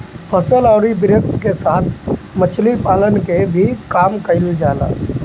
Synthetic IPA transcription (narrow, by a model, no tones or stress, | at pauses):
pʰəsəlɔːɾibɪɾəkskesaːt̪ʰ | mət͡ʃʰlipaːlənkebʱikaːmkəɪld͡ʒaːla̰ː